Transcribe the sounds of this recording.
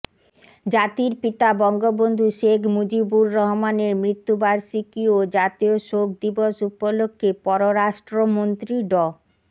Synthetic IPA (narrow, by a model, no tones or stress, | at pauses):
d͡ʑat̪iɾpit̪abɔŋɡobond̪ʱuʃekʰmud͡ʑibuɾːɔɦmaneɾmɾit̪ːubaɾʃikiod͡ʑat̪ioʃok̚d̪iboʃupolokʰːepɔɾoɾaʃʈɾomont̪ɾiɖɔ